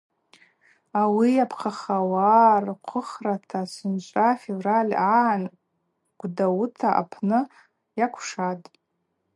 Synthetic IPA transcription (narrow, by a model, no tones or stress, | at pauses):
awijapʰqʰaχawarqʷʰʊχratʰasɨnt͡ʃʷʼafevralʲaʕan | ɡ̥ʷdawtʰaʔa̰pʰnɨ | jakʷʰʂatʼ